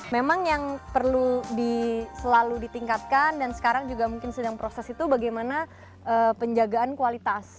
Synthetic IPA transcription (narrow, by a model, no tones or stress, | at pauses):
memaŋjaŋpərludisəlaludit̪iŋkat̪̚kandansə̥kaɾaŋd͡ʒuɡamuŋkɪnsədaŋpɾosɛsit̪ubaɡajmana | ʔəpəɲd͡ʒaɡaːnkualit̪as